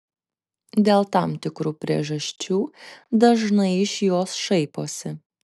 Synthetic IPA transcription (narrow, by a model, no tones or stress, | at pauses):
d̪ʲeːlˠt̪ɑːmt̪ʲɪkɾuːpʲɾʲiɛʒɐsʲt͡ʃʲuːd̪ɐʒnɐɪɪʃjoːsʃɐɪpoːsʲɪ